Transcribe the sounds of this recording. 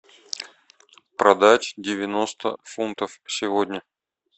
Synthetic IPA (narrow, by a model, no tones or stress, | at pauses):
pɾɐd̪atʲdʲɪvʲɪno̞st̪ə̰funt̪əfsʲɪvodʲnʲə